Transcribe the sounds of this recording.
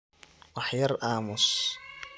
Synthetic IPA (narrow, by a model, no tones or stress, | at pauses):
waħjɐɾˤʔaːmʊs